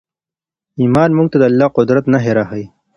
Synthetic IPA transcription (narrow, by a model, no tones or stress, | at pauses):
iːmɑːnmuɡt̪ad̪əalːɑqʊd̪ɾat̪naɦeɾahəj